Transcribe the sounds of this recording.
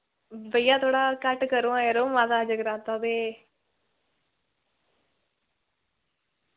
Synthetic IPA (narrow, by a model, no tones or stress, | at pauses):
bəijãːt̪ʰoːɽaːkəʈkəɾõːãːjəɾoːmãːzaːd͡ʒəɡɾãːt̪aːb̪eː